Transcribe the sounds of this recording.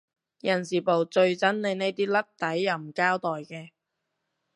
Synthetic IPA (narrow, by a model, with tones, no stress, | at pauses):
jɐ˨˩nsiː˨˩po˨˩wt͡ʃɵ˧ɥt͡sɐ˦˥nle˨˧jne˥jt̪iː˥lɐ˥t̚t̪ɐ˨˥jːɐ˨˩wm̩˨˩kaː˥wt̪ɔː˨jkɛː˧